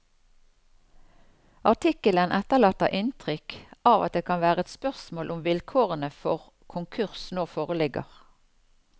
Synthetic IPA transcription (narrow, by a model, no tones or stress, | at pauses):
ʔɑʁʈʰɪkələnʔɛt̪əʁlɑːt̪əʔɪnt̪ʰʁʏkʔɑːʋɑ̰t̪̚d̪eːkʰɑnʋæːʁəɛt̪spœʁsmoːlʔʊmʋɪlkʰoːʁənəfɔʁ | kʰʊŋkʰʉʁsnoːfoːʁəlɪɡə̰ʁ